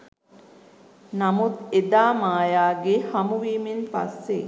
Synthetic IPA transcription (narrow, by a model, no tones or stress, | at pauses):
namut̪ed̪aːmaːjaːɡehamuʋiːmenpa̰sːe